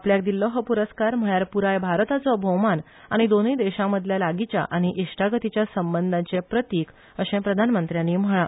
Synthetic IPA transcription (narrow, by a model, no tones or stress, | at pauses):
apljak̚d̪ilːɔɦəpuɾəskaɾm̤əɭjaɾpuɾajbʱaɾt̪at͡sɔbʱəwman | a̰ɽ̃id̪onəjd̪eɕãməd̪ʱljalaɡit͡ɕja̰ʔaɽ̃iʔiʂʈʰaɡət̪it͡ɕjasəmbənd̪ʱat͡ɕepɾət̪iːk | əɕẽpɾəd̪ʱanmənt̪ɾjãnːiːm̤əɭ̃a